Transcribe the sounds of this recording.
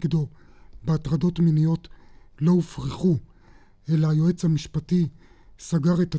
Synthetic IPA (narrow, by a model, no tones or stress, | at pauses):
kd̪obeatʁad̪o̞tminijo̞tlo̞ufʁiχu | e̞laːjo̞e̞t͡shamiʃpati | saɡaʁet̪a